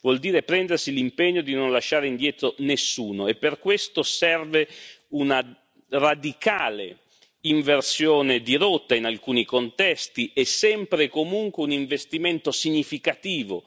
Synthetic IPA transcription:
vwɔld̪iːɾepɾɛnd̪ersilimpeɲːod̪inonlaʃːaːɾeind̪jɛːt̪ɾonesːuːnoepːerkwest̪osɛrveuna | rad̪ikaːlḛ | iɱversjoːned̪iɾot̪ːainalkuːnikont̪ɛst̪iʔɛsːɛmpɾekomuŋkweuniɱvest̪iment̪osiɲːifikat̪iːvo̰

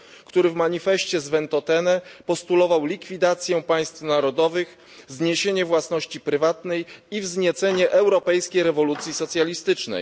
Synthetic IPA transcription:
kt̪uɾɘvmaɲifɛɕt͡ɕɛzvɛnt̪ɔt̪ɛnɛpɔst̪ulɔvawlʲikfʲid̪at̪sʲjɛpaj̃st̪fnaɾɔd̪ɔvɘx | zɲeɕeɲɛvwasnɔɕt͡ɕipɾɘvat̪nɛjivzɲɛt̪sɛɲɛʔɛwɾɔpɛjskʲejɾɛvɔlut̪sʲjisɔt̪sʲjalʲist̪ɘt͡ʂnɛ̰j

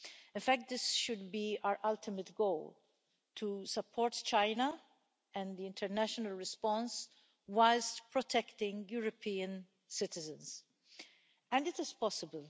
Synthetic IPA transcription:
ɪ̃nfæk̚t̪̚d̪ɪsʃʊd̪biaɹʔɐlt̪ɪmət̪ɡowl | t̪ʰusɐpʰːɔːɾt̪t͡ʃãɪnɐ | ɛ̃nd̪iɪ̃nt̪ɛɾnæʃɔnɐlɹɪspɔ̃ns | wastpɹɔt̪ʰɛkt̪ɪ̃ŋɡjuːɾɔpiːə̃n | sɪt̪ɪzə̃ns | ɛ̃nd̪ɪt̪ɪzpɔsɪbəl

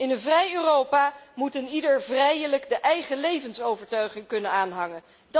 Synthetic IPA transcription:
ɪnənvrɛjøːrowpaːmutənidəɹvrɛjələɡdəʔɛjχəlejvənsowvəɹtœɥχɪŋkɵnənaːnɦɑŋən | d

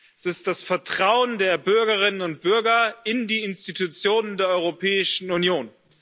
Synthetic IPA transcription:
sɪst̚d̥asfɛɐtʁ̥aʊəndeːɐbʏɐɡɐʁ̞ɪnənʊnt̚b̥ʏɐɡɐɪndiːɪnstitʰut͡sjoːnəndeːɐʔɔʏʁopʰɛːɪʃn̩unjoːn

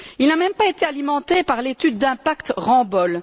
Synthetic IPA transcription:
ilnamɛ̃mpaet̪ealimɑ̃t̪epaʁlet̪yd̪ːɛ̃pakt̪ʁɑ̃bɔl

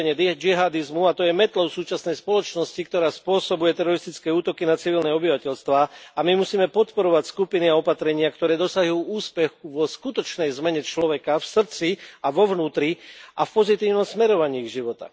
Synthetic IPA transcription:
ɲɛd͡ʒiɦaːd̪izmuat̪ɔjɛmɛt̪lɔʊsuːt͡ʃasnɛjspɔlɔt͡ʃnɔscik̚t̪ɔɾaːspʊɔsɔbujɛt̪ɛɾɔɾist̪it͡skɛːuːt̪ɔkinat͡siʋilnɛɔbiʋacɛʎst̪ʋaːamimusiːmɛpɔt̪pɔɾɔʋacskupiniaɔpat̪ɾɛɲɪakt̪ɔɾɛːd̪ɔsaɦjuːuːspɛxuʋɔskut̪ɔt͡ʃnɛjzmɛɲɛt͡ʃlɔʋɛkafsr̩t͡siaʋɔʋnuːt̪ɾiafpɔzit̪iːʊnɔmsmɛɾɔʋaɲiːɣʒiʋɔt̪a̰

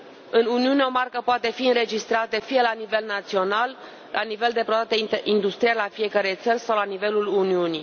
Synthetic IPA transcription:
ɨnuniuneo̞markəpoat̪e̞fiɨnɾe̞d͡ʒist̪ɾat̪efije̞lanive̞lnat̪sio̞nalː | ʔanive̞ld̪e̞pɾod̪akt̪eʔind̪ust̪ɾijalafije̞kəɾe̞jt̪sərʲsawlanive̞luluniuni

